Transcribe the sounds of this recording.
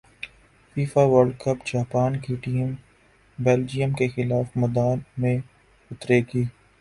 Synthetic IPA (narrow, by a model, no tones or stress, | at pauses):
fiːfaʋəɾɖkəpd͡ʒaːpaːnkiʈiːm | beːld͡ʒijəmkexɪlaːfmɐd̪aːnmẽ | ʊt̪ɾeɡiː